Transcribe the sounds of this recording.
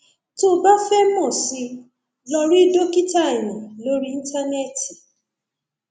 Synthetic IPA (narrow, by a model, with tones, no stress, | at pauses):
to˦ba˦fɛ˦mɔ̃˦˨si˧ | lɔ˧ɾi˦do˦ki˦ta˦˨ɛ˨jã˨lo˨˦ɾi˦˧n̩˦ta˦nɛ˦˨ti˨